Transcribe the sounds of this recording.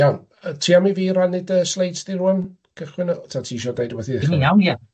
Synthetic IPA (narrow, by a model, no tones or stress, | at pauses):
jawn | ətʰiːamiviːɾanɪdəslˠejdsd̥iɾuːam | kʰəχwɪnɔtʰaːtʰiːʃɔdejdɔwɛθiðɛnijawnja